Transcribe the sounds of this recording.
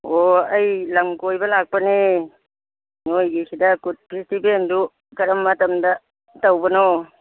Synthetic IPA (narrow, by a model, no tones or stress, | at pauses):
oɐjlɐŋkojbɐlak̚pɐni | nojɡisidɐkut̚pʰistipendu | kɐɾɐmːɐtɐmdɐ | tawbɐno